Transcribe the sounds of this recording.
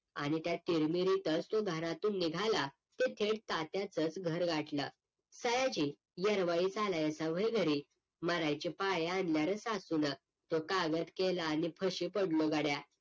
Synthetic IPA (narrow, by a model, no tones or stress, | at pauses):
a̰ɽ̃it̪jat̪iɾmiɾit̪ət͡st̪oɡʱəɾat̪uːnːiɡʱala | t̪et̪ʰeɽt̪at̪jat͡sət͡sɡʱəɾɡʱaʈlə̰ | səjat͡ɕiː | jəɾʋaid͡zalajəsaʋəjɡʱəɾiː | məɾajt͡ɕipajeanljaɾət͡sasunə | t̪okaɡət̪kelaːñipʰəɕiːpəɽloɡaɽja